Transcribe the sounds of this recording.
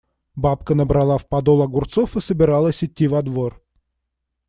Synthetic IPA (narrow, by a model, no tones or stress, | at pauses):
bap̚kənəbɾɐlˠafpɐd̪olˠɐɡʊrt̪so̞fɨsəbʲɪɾalˠəsʲɪtʲːivɐd̪vor